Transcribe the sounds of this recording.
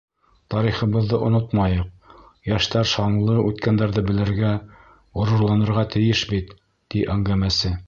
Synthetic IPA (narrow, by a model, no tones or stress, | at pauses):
t̪ɑɾiχɤ̆βɤ̆ðːɤʔŏnot̪mɑjɤq̚ | jæʃt̪æɾʃɑɴlˠɤʉt̪kænd̪æɾðɘbɘ̆lɘ̆ɾɡæ | ʁŏɾŭɾlˠɑnɤ̆ɾʁɑt̪ɘ̆jɘʃbit̪ː | iʔæŋɡæmæsɘ